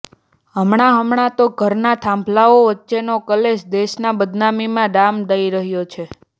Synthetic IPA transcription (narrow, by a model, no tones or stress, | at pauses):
ɦəmɳaɦəmɳat̪oɡʱəɾnat̪ʰãmblaoʋətːʃenokəleʃd̪eʃnabəd̪namimãɖamd̪əiɾəɦjot͡ʃʰe